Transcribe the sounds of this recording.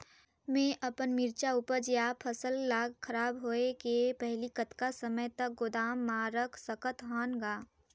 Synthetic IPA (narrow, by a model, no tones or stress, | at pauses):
mẽʔɐpənmɪɾt͡ʃauːpəɾd͡ʒjapʰəsəlːaːɡkʰɐɾaːbɦoːekepɛɦlikət̪kasəməjt̪ək̚ɡod̪aːmːaːɾəkʰsəkət̪ɦaːnɡaː